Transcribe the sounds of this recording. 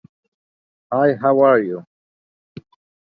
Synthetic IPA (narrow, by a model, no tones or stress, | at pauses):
hajɦawaɹju